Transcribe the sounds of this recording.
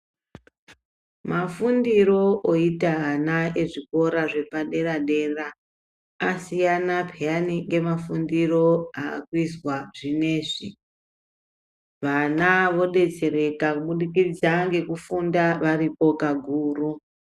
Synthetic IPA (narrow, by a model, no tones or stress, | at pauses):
mafundiɾo̞ʔoitaɦanaeʐiko̞ɾaʐe̞paɗe̞ɾaɗe̞raː | sijanapʰejaniŋɡe̞mafundiro̞aa̰kwiswaʐine̞ːʐi | ʋanaʋo̞ɗe̞t͡se̞ɾe̞kakuɓuɗikid͡zaŋɡe̞kufundaʋaɾipo̞kaɡʱuːru